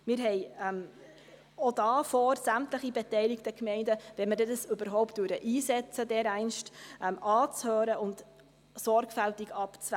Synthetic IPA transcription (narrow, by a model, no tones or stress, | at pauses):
mɪɾɦɛɪɛm | odɑːfɔːɾsæmtləχibɛtɛɪliktəkmɛɪndəvɛnmədɛdɑsɵbəɾɦɔʊpt̚d̥ʉəɾəʔiːsɛt͡sədɛːɾɛɪnʃtʔɛmʔɑːt͡shøːɾəʊnt | sɔɾɡfæltikɑpt͡svæ